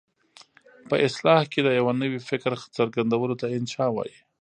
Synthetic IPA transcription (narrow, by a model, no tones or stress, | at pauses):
pəʔɪslɑhked̪əjawanəwifɪkɾt͡səɾɡand̪awəlot̪aɪnʃɑwɑ̰ji